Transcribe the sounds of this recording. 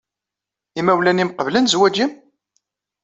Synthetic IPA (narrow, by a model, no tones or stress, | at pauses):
imæwlænimqəvlənzwæd͡ʒim